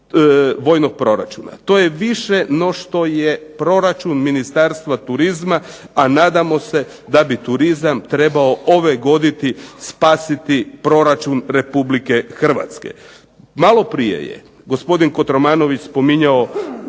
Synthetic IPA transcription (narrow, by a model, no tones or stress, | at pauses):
ʋo̞ːjno̞k̚pɾo̞ɾa̰t͡ʃuna̰t̪o̞jeʋiʃenoʃt̪o̞jepɾo̞ɾat͡ʃunminist̪aɾst̪ʋat̪uɾizma | anaːd̪amo̞se̞ | d̪abit̪uɾizamt̪ɾe̞baoʔo̞ʋeɡo̞d̪it̪ispaːsit̪ipɾo̞ɾat͡ʃunɾe̞publike̞xr̩ʋa̰t̪skḛ | malo̞pɾijḛjḛ | ɡo̞spo̞d̪inko̞t̪ɾomaːno̞ʋit͡ʃspo̞miɲao